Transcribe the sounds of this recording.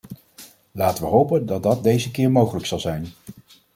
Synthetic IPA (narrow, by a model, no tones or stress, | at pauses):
laːtəʋəɦowpəndɑt̚dɑt̚dejzəkɪːɹmowχələksɑlˠzɛjn